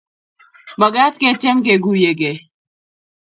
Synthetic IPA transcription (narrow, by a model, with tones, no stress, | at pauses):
ba˨ɡa˦tke˦tɛ˦mɡe˨ɡu˨je˨ɡe˨